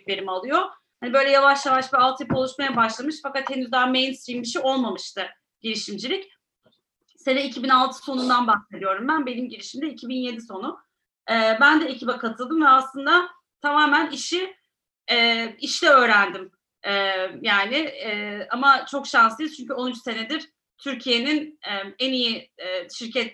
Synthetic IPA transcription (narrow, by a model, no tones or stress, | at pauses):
beɾimalˠɯjo | hanibø̞jlʲɛjavaʃjavaʃbialˠt̪ʰjapo̞lˠuʃmajabaʃlˠamɯʃfakat̪he̞nyzd̪ame̞jnst̪ɾimbiʃ̬io̞lˠmamɯʃt̪ʰɯ | ɟ̥iɾiʃimd͡ʒilʲic | senɛicʰibinalˠt̪ʰɯ̥so̞nund̪anbaxse̞d̪ijo̞ɾumbænbe̞nimɟiɾiʃimd̪ɛicʰibinje̞d̪iso̞nʊ | ɛːbænd̪ɛecʰibɛkʰat̪ʰɯlˠd̪ɯmvɛaslˠɯnd̪a | t̪ʰamaːmæniʃi | ɛːiʃlʲɛø̞ːɾænd̪im | ɛːjaːnɪɛːamat͡ʃʰo̞kʃansij̪t͡ʃʰyɲcyo̞nyt͡ʃse̞ned̪iɾ̥ | t̪ʰyɾcʰije̞ninɛenijiɛːʃiɾcʰɛt̪